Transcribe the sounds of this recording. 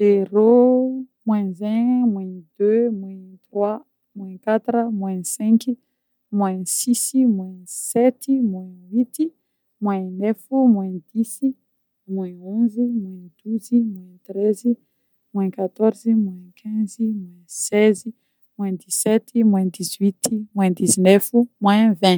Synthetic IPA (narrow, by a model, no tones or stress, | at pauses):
zeɾo | mwɛ̃zɛ̃mwɛ̃d̪̥ømwɛ̃t̪rwa | mwɛ̃kat̪ɾəmwɛ̃sɛ̃ki | mwɛ̃sisimwɛ̃sɛt̪imwɛ̃wit̪i | mwɛ̃nɛfimwɛ̃d̪̥isi | mwɛ̃ɔ̃zimwɛ̃d̪̥uzimwɛ̃t̪ɾɛzi | mwɛ̃kat̪ɔɾzimwɛ̃kʲʰɛ̃zimwɛ̃sɛzi | mwɛ̃d̪isɛt̪imwɛ̃d̪izwit̪imwɛ̃d̪izinɛfumwɛ̃vɛ̃